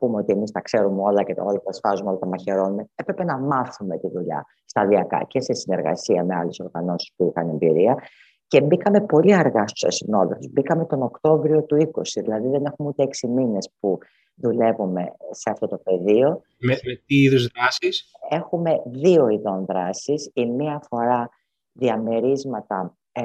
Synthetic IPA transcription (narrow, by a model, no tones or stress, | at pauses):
pumeo̞t̪iemist̪ɐkse̞ɾumeo̞lɐceolɐt̪ɐsfɐzumeo̞lɐt̪ɐmɐçe̞ɾo̞numepɾe̞pe̞nɐmɐθume̞t̪iðuʎɐ̰ | st̪ɐðiɐkɐ̰ce̞se̞sineɾɣɐ̰siɐme̞ɐle̞so̞ɾɣɐno̞si̥spuixɐne̞mbḭɾiɐ | ce̞bikɐme̞po̞liɐɾɣɐst̪u̥sɐ̰sino̞ðefozbikɐmet̪o̞no̞kt̪o̞vɾio̞t̪uiko̞siðilɐðiðe̞ne̞xumeut̪eeksimine̞spu | ðule̞vume̞se̞ɐft̪o̞t̪o̞pe̞ðio̞ | memet̪iiðuzðɾɐsise̞xume̞ðio̞iðo̞nðɾɐsisimiɐfo̞ɾɐ | ðiɐmeɾizmɐt̪ɐ